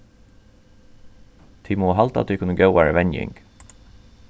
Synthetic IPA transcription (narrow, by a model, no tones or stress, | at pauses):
t̪ʰiːmɔːɦalt̪a̰t̪ʰikʰʊnːəɡjœwaɹɛʋɛnjɪ̰ŋk